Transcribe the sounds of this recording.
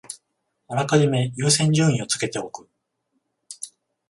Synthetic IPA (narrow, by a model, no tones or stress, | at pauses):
anakaʑime̞jɨːsẽ̞ɲ̟d͡ʑɨːĩo̞t͡sɨ̥ke̞t̪e̞o̞kɯ̟